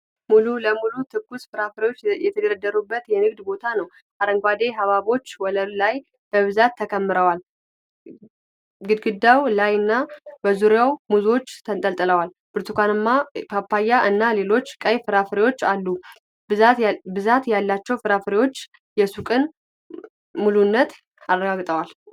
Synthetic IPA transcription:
mululəmulut̪ʰɨɡusfɨɾafɨɾewo̞t͡ʃːjɛt̪ʰəɡəɾəd̪ːəɾubːət̪jɛnɨɡd̪bo̞t̪ʰanəw | haɾəŋɡʷad̪e̞ɦaβaβo̞t͡ʃːwɔləllaj | b̥əβɨzat̪ʰːəkʰəmːɨɾəwal | ɡɨd̪ɡɨd̪ːawlajɨnːabəzuɾjawmuzo̞t͡ʃːt̪ʰənt̪ʼəlt̪ʼɨləwal | b̥ɨɾt̪ʰukʷanɨmːapʰapːajːaʔɨnːale̞lo̞t͡ʃːkʼəjfɨɾafɨɾewo̞t͡ʃːalːu | bɨzat̪jalːat͡ʃːɛwfɨɾafɨɾewo̞t͡ʃː | jɛsukʼɨn | mulunːət̪ | arːəɡaɡt̪ʼəwal

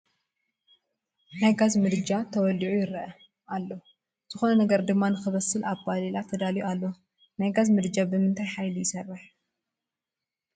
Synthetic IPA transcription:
najɡazmɨd̪ɨd͡ʒat̪ʰɐwɔlːiʕujɪɾɐʔɐ | alːo | z̥ɨxo̞nɐnɐɡɐɾd̪ɨmːanɨxɨβɐsɨlʔaβbalilat̪ʰɐd̪aliualːo | najɡazmɨd̪d͡ʒabɨmɨnt̪ʰajħajlijɪsɐrːɨħ

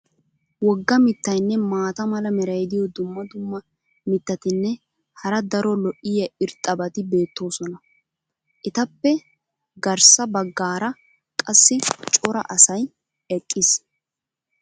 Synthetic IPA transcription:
wɔɡːɐmɪt̪ːɐjnːɛmaːt̪ɐmɐlɐmɛɾɐjd̪ɪjɔd̪ʊmːɐd̪ʊmːɐ | mɪt̪ːɐt̪ɪnːɛ | hɐɾɐd̪ɐɾɔlɔʔɪjɐɪɾt̪ʼːɐbɐt̪ɪbe̞ːt̪ːo̞ːsɔnɐ | ʔɪt̪ɐpːɛ | ɡɐɾsɐbɐɡːaːɾɐ | kʼɐsːɪt͡ʃʼɔɾɐ̰ʔɐsɐj | ɛkʼːɪs

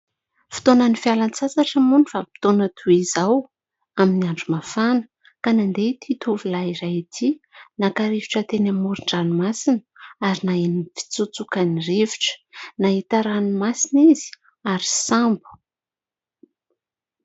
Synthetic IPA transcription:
fi̥t̪onənifalant͡sasaʈ͡ʂəmunifapi̥t̪onət̪ʰuizaw | aminiaɳɖ͡ʐumafanə̥ | kanand̪et̪ʰit̪uvilaiɾajit̪ʰinakaɾeviʈ͡ʂət̪enamuɾiɳɖ͡ʐanumasinəaɾinaenifi̥t͡sut͡sukanireviʈ͡ʂə̥naɦit̪aɾanimasinizi̥ | aɾi̥sambu̥

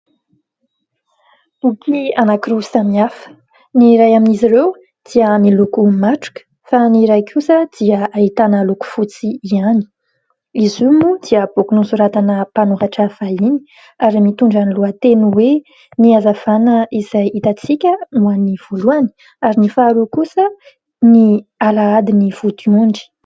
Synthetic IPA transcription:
upʰianakiɾesamiafə̥ | niɾajaminiziɾew | d̪̥iənilukumaʈ͡ʂu̥kʲə̥ | faniɾajkʲʰusəd̪iəait̪anəluku̥fut͡siiani̥ | izumud̪̥iəb̥okunusuɾat̪anəpanuɾaʈ͡ʂəfaini̥ | aɾimit̪uɳɖ͡ʐaniluat̪enuwe | niazav̥anəʔiz̥ajit̪at͡sikʲənuaniv̥oluani̥ | aɾinifaːɾukusə | nialaad̪inifut̪iuɳɖ͡ʐi̥

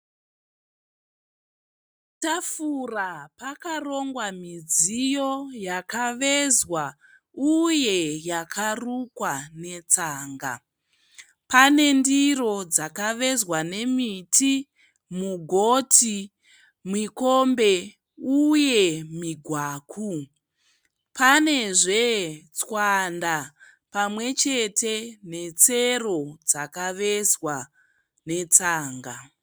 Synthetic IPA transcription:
tafurapakaro̞ŋɡwamid͡zijo̞jakaʋe̞zwa | uje̞jakʰarukwane̞t͡saːŋɡa̰ | pane̞ndiro̞d͡zakaʋe̞zwane̞mitʰi | muɡʱotʰi | mwikombe̞ | uje̞miɡʱwaːkʰu | pane̞ʐe̞t͡swanda | pamwe̞t͡ʃe̞tʰe̞ne̞t͡sero̞d͡zakaʋe̞zwa | ne̞t͡saːŋɡa

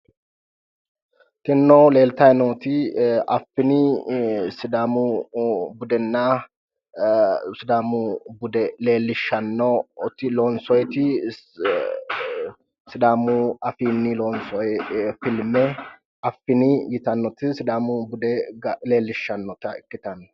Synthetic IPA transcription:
t̪ɪnːɔle̞ːlt̪ɐjnoːt̪ɪɐfːɪni | sɪd̪aːmu | bʊd̪ɛnːaː | sɪd̪aːmubʊd̪ɛle̞ːlːɪʃːɐnːɔt̪ɪloːnsɔjt̪ɪ | sɪd̪aːmuɐfiːnːɪloːnsɔjfɪlmɛ | ɐfɪnɪjɪt̪ɐnːɔt̪ɪsɪd̪aːmʊbʊd̪ɛɡle̞ːlːɪʃːɐnːɔt̪ɐɪkːɪt̪ɐnːɔ

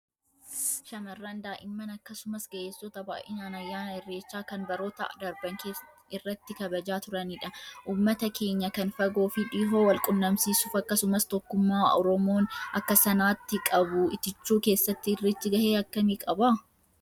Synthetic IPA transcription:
ʃɐmɐrːɐnd̪aːʔɪmːɐnɐkːɐsʊmɐsɡɐʔeːsːɔt̪ɐba̰ːʔɪnaːnɐjːaːnɐɪrːeːt͡ʃːaːkɐnbɐɾo̞ːt̪ɐ̰ʔɐ̰d̪ɐɾbɐŋkeː | ɪrːɐt̪ːɪkɐbɐd͡ʒaːt̪ʊɾɐniːᶑɐʔuːmːɐt̪ɐkʰe̞ːɲːɐkɐnfɐɡo̞ːfiᶑiːɦoːwɐlkʼʊnːɐmsiːsuːfɐkːɐsʊmɐst̪ɔkːʊmːaːʔɔɾɔmo̞ːnɐkːɐsɐnaːt̪ːɪkʼɐbʊɪt̪ɪt͡ʃːuːke̞ːsːɐt̪ːɪrːɪt̪ːɪɡɐheːɐkːɐmiːkʼɐbaː

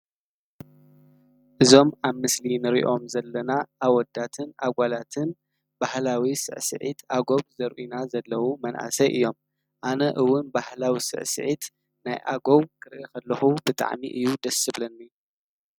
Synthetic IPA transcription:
ʔɨzo̞maβmɨslinɨɾḭʔo̞mzɐlːɐnaʔaβwɔd̪ːat̪ʰɨnʔa̰ɡʷalat̪ʰɨn | b̥ahlawisɨ̰ʕsɨ̰ʕḭt̪ʰʔaɡoβzɐɾʔunazɐlːɐwumɐnʔa̰sɐʔɨjːo̞m | ʔanɐʔɨwːʊnbahlawisɨ̰ʕsɨ̰ʕit̪ | na̰jʔa̰ɡoβkʰɨɾʔekʰɐlːɐxubɨt̪ʼa̰ʕmḭʔɨjːud̪ɐsɨβlɐnːi

